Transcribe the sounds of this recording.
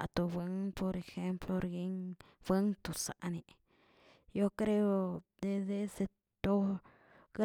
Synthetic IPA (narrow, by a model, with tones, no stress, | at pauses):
ʔt̪u˧bə˧˦ŋpo˧ɾe˧xe˦mplo˧ɾɡi˦ŋ | b̥ə˦ŋt̪u˨sa̰˨ʔni˧ | jo˦kɾe˦o˧d̪e˧d̪e˦se˧ | t̪o˦ | ɡ